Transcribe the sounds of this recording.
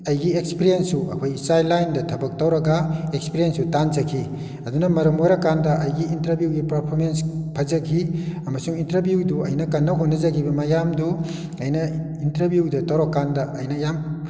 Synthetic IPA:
ɐjɡiekspiɾijensːuɐ̰kʰojsajlajndɐtʰɐbɐk̚tɐwɾɐɡaekspiɾijensutanzɐkʰi | ɐdunɐmɐɾɐmojɾɐkandɐʔɐjɡiintɐɾbjuɡipɐɾpʰoɾmenspʰɐzɐɡʰiɐmɐsuŋintɐɾbjuduɐ̰jnɐkɐnːɐɦonɐzɐɡibɐmajamdu | ɐjnɐ | intɐɾbjudɐtɐwɾokːandɐʔɐjnɐjam

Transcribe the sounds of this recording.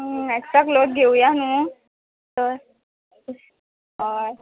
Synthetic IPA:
eksakloʈ̚ɡʱeujanũ | t̪əɾ | ɦaj

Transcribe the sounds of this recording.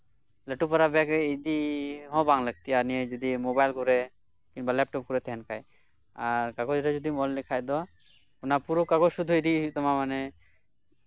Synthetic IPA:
ləʈupɔɾabɛkid̪iɦɔ̃baŋlək̚t̪iaɾnijed͡ʒud̪imobajlkɔɾɛ | kinbalɛp̚ʈɔp̚kɔɾɛt̪ɛɦɛnkaj | aɾkaɡɔd͡ʒɾad͡ʒɔd̪imɔllɛkʰajd̪ɔ | unapuɾokaɡɔd͡ʒʃud̪ʱuiʈit̪ɔmamanɛ

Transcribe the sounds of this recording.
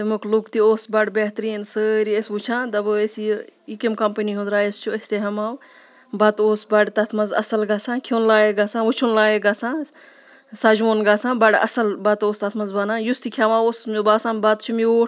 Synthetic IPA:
t̪emuklukt̪ioːsbɐɖbeɦt̪ɾiːnsəːɾiesut͡ʃʰãːd̪ɐbɨesiikimkɐmpəniɦũnd̪ɾaːest͡ʃʰuɐsʲt̪eɦɐmaːw | bɐt̪oːsbɐɖt̪ɐt̪ʰmɐzɐ̰sɐlɡaːsãːkʰoːnlaːeɡasãːut͡ʃʰunlaːjeɡasãː | saːd͡ʒmoːnɡaːsãːbɐɖɐ̰sɐlbɐt̪oːst̪ɐt̪ʰmɐnzbaːnãːjust̪ikʰʲamaːoːsmbaːsãːnbat̪t͡ʃʰumioː

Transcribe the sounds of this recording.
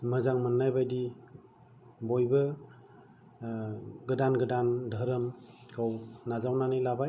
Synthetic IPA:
mɯzaŋmɯnːajbajdi | bojbɯ | ɡɯdanɡɯdandʱəɾɯmkʰawnazawnanilabaj

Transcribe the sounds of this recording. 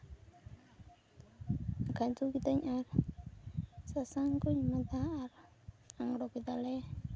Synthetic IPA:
akant̪ukit̪aɲar | sasaŋkuɲmat̪aːɾ | aŋɾokit̪alɛ

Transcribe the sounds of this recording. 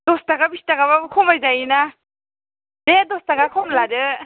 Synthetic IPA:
dɔstaɡabistaɡaβakʰɔmajzajina | dedɔstaɡakʰɔmlaɾɯ

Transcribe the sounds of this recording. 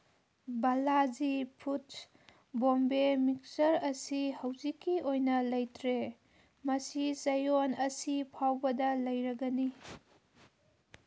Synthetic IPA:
balazipʰut | bombemik̚sɐɾɐsihɐwzikːiojnɐlɐjtʰɾe | mɐsisɐjonɐsipʰawbɐdɐlɐjɾɐɡɐni

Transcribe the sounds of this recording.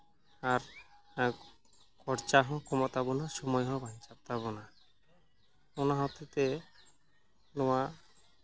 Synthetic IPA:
aɾ | kɔɾt͡ʃaɦɔ̃kɔmɔt̪abonaʃɔmɔjɦɔbʱaɲt͡ʃapt̪aβona | onaɦɔt̪et̪e | lowa

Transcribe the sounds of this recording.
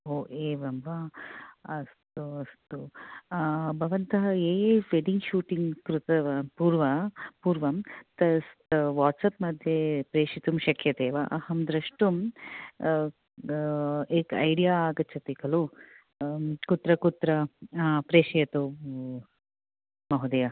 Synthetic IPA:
oːʔeːʋɐmʋa | ɐst̪uɐst̪u | bʱɐʋɐnt̪ɐɦɐeːjeːfeɖiŋɡʃuːʈiŋɡkɾut̪ɐpuːɾʋɐpuːɾʋɐmt̪ɐst̪ʋaːʈsɐpmɐd̪ʱjepɾeːʂit̪umʃɐkʰjɐt̪eːʋɐʔɐhɐmd̪ɾɐʂʈum | eːkɐ̰jɖijaːɡɐt͡ʃʰɐt̪ikɐlu | kut̪ɾɐkut̪ɾɐpɾeːʃɐjɐt̪u | mɐɦud̪ɐjɐ

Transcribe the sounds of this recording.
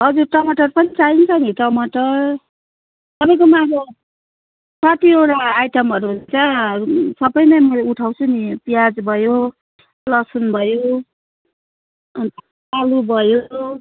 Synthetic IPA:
ɦʌd͡zuɾʈʌmʌʈʌrpʌnit͡saint͡sʰʌniʈʌmʌʈʌr | t̪ʌpaj̃komaɡo | saʈ̪ieɾaːjʈʌmʌɾuɦt͡sʰʌsʌbʌjnʌjmʌlauʈʰawt͡sʰunipijad͡zbʱʌjo | lʌsunbʱʌjo | t̪ | alubʱʌjo

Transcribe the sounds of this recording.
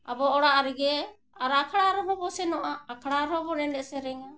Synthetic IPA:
abɔɔɽaʔaɾɛɡɛ | aɾaakʰaɽaɾɔbɔbɔsɛnɔʔaːkʰaɽaɾɔbɔɾɛnɖɛsɛɾɛŋa

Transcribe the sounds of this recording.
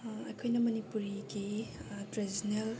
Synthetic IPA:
ɐ̰jkʰojnɐmɐnipuɾiɡitɾezinel

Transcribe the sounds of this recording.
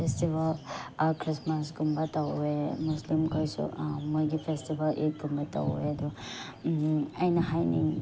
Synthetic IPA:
pʰestibalakʰɾismasɡumbatawemuslimkʰojsṵmojɡipʰestibalḛt̚ɡumbata̰wḛɐd̪ɔ | ɐjnɐɦajnḭ

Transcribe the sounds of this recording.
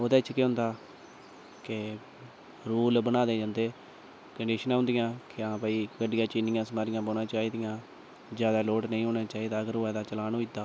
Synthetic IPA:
od̪eːt͡ʃʰkeɦʊ̃nd̪aː | ke | ɾuːlbənaːd̪eːd͡ʒãːnd̪eː | kəɳɖiːʃənãːɦʊ̃ːnd̪ɪjãːkɪãːpəiːkəɖɪjãːt͡ʃiːnɪjãːsəmaːɾɪjãːboːnãːt͡ʃaːiːd̪ɪjãː | d͡ʒjaːd̪aːloːʈnəĩɦoːnãːt͡ʃaːiːd̪aːəɡəɾɦoːɛːd̪aːt͡ʃəlaːnoːit̪ːaː

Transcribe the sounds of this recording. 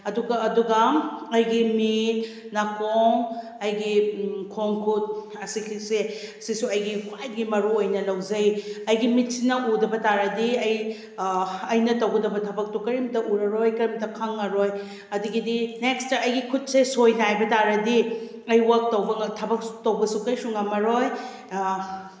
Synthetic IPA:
ɐduɡɐːduɡɐɐjɡimit | nakoŋ | ɐjɡikʰoŋkʰut̚ | ɐsikʰiseɐsisuɐjɡikʰwajɡimɐɾuojnɐlɐwzɐjɐjɡimit̚sinɐudɐbɐtaɾɐdiɐj | ɐjnɐtɐwɡɐdɐbɐtʰɐbɐk̚tokɐɾimtɐʔuɾɐɾojkɐɾimtɐkʰɐŋɐɾoj | ɐduɡidinekstɐʔɐjɡikʰut̚sesojnajbɐtaɾɐdi | ɐjwɐk̚tɐwbɐtʰɐbɐk̚tɐwbɐsukɐjsuŋɐmɐɾoj

